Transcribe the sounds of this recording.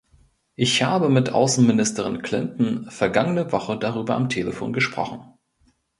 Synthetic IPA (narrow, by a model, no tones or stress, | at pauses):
ʔɪçhaːbəmɪtʔa̰ʊsn̩mɪnɪstəʁ̞ɪnkʰl̥ɪntn̩fɛɐɡaŋənəvɔχədaʁ̞yːbɐʔamtʰeːləfo̰ːnɡəʃpʁ̥ɔ̰χn̩